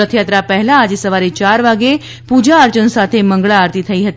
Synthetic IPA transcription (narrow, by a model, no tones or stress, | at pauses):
ət̪ʰjat̪ɾapəɦɛlãːd͡ʑesəʋaɾit͡ʃaɾʋaɡe | pud͡ʑaəɾt͡ʃənsat̪ʰeməŋɡɭaːɾt̪it̪ʰəiɦət̪